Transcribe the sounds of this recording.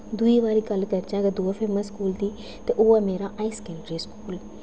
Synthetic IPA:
d̪ʊiːʋaːɾiːɡəlkəɾd͡ʒãːɡed̪oːaːpʰeːməskuːld̪iː | t̪eːʔoːɛmeːɾaːʔaːiːskẽːɳɖɾiːskuːl

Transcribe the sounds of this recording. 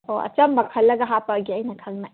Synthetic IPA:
oɐ̰t͡ʃɐmːɐkʰɐlːɐɡɐɦapɐɡiɐjnɐkʰɐŋna

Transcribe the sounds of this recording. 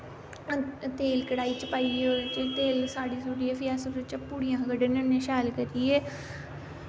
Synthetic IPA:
t̪eːlkəɽaːiːt͡ʃpaːiːoːt͡ʃt̪eːlsaːɽiːsoːɖiẽpʰɪjaːsəɾət͡ʃpuːɽijãːɡəɖənənẽːʃaːlkəɾiːɛː

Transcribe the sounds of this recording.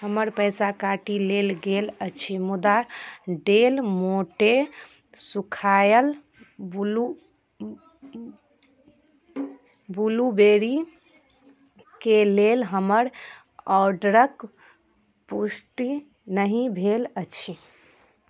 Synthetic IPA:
ɦəməɾpəjsakaʈilelɡelət͡ʃʰimud̪aɖelmoʈe | sukʰajəl | blu | bulubeɾi | kelelɦəməɾ | ɔɾɖəɾək | pusʈi | nəɦĩbʱelət͡ʃʰi

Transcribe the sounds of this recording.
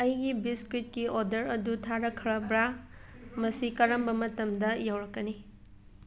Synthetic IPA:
ɐjɡibiskɾit̚kiodɐɾɐdutʰaɾɐkʰɐɾɐbɾa | mɐsikɐɾɐmbɐmɐtɐmdɐjawɾɐkːɐni

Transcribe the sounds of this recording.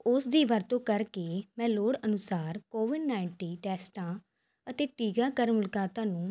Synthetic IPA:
ʊsd̪iːʋəɾt̪õːkəɾkeːmɛ̃ːloːɽənʊsaːɾkoːʋɪɖnaːɪɳʈiːʈɛːsʈãː | ət̪eːʈiːɡaːkəɾmʊlkaːt̪ãːnũː

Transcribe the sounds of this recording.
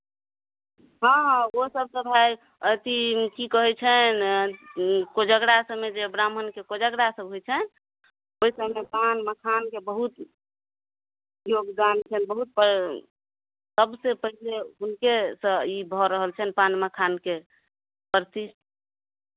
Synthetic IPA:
ɦə̃ɦosəb̚sə̃bʱaj | ət̪ikikəɦɛt͡ʃʰɛn | kod͡ʒəɡɽasə̃med͡ʒeəbɾamɦənkekod͡ʒəɡɽasəbɦojt͡ʃʰɛn | oisəmepanməkʰankebəɦut̪ | joɡd̪ant͡ʃʰɛnbəɦut̪̚p | səbsepəɦileunkesə̃ibʱɔɾəɦəlt͡ʃʰənpanməkʰanke | pɾt̪isʈ

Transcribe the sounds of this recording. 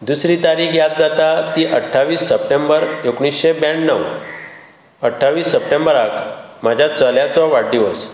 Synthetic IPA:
d̪usɾiːt̪aɾiːkjat̪̚d͡zat̪at̪iːʔəʈʰːaʋiːsːəpʈembəɾekɳ̃isɕebɛ̃ɳnəʋ | əʈʰːaʋiːsːəpʈembəɾakmad͡ʑʱjat͡səljat͡sɔʋaɽd̪iʋəs

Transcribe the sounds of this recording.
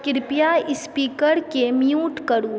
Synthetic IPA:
kɪɾpijaɪspiːkəɾkemjuːʈkɐɽuː

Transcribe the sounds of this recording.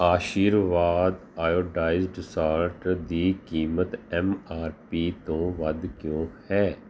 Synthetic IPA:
aːʃiːɾʋaːd̪ | aːjoːɖaːɪzɖɪsaːɾʈd̪iːkiːmət̪ɛːmaːɾpiːt̪õːʋəd̪kjõːhɛː

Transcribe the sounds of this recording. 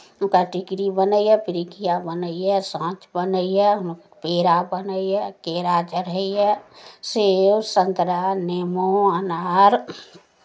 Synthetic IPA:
ʊnkaʈɪkɾibənəiɦɛpɪɾikʰijabənəiɦɛsãːt͡ʃbənəiɦɛʊn | peːɾabənəiɦɛkeːɾad͡ʒəɾəɦiɦɛsewsə̃nt̪ɾanemoənaːɾ

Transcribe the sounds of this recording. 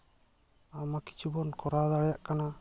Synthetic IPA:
amaki̥t͡ʃubɔnkɔɾad̪aɽɛjaʔkana

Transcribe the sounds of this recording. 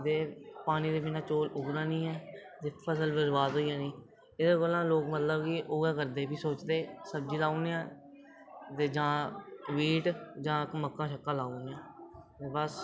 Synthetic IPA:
d̪eːpaːniːd̪eːbiːnãːt͡ʃoːlʊɡɾãːnĩːɦɛː | t̪eːpʰəsəlbəzʋaːzɦoːijãːnĩː | ɪd̪aːkolãːloːkmət̪ləbkiʔoːɡãːkəɾd̪eːbiːsoːt͡ʃd̪eːsəb̚d͡ʒiːlaːoːnjãː | t̪eːd͡ʒãːʋiːʈd͡ʒãːkməkːãːʃəkːãːlaːoːnejãːt̪eːbəs

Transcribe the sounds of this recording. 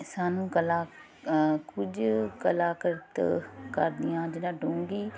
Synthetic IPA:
saːnũːkəlaː | kʊd͡ʒkəlaːkəɾt̪kə̰ɾd̪ɪjãːd͡ʒɪnãːɖõːŋɡiː

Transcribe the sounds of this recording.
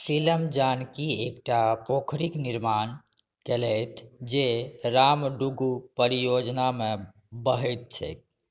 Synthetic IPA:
siləmd͡ʒankiek̚ʈapokʰɾikniɾman | kelɛjt̪ʰd͡ʒeɾamɖuɡupəɾijod͡ʒname | bəɦɛt̪̚t͡ʃʰɛ̰

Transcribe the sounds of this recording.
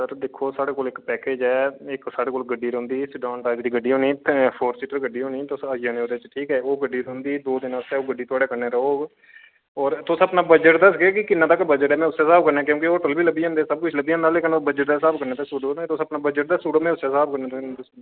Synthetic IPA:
səɾd̪ekʰoːsaːɽeːkoːlɪkpɛːkeːd͡ʒɛːɪksaːɽeːkoːlɡəɖiːɾəɦʊ̃nd̪iːsɖɔːnʈaːd͡ʒd̪iːɡəɖːiːɦõːniːpʰoːɾsiʈəɾɡəɖːiːɦoːniːt̪ʊsajãːnẽːoːd̪eːɪt͡ʃːʈʰiːkɛːoːɡəɖːiːɾʊnd̪iːd̪oːd̪ɪnãːsɛːoːɡəɖːiːt̪ʊaːɽeːkəɾneːɾəɦoːɡ | ɔːɾt̪ʊsəpnaːbəd͡ʒəʈd̪asɡeːkɪkɪnːãːt̪əkbəd͡ʒəʈɛːmɛ̃ːʊsːeːsaːb̚kəɾnɛ̃ːkjõːkeoːʈəlbʱiːləbːiːãːnd̪eːsəb̚kʊt͡ʃʰləbiːãːnd̪aːleːkənbəd͡ʒəʈd̪aːsaːbkəɾnẽːt̪eːsuːɖot̪ʊsəpnaːbəd͡ʒəʈ̚d̪aːsuːɖmɛ̃ːʊsːeːsaːbkəɾneːt̪sd̪ʊs

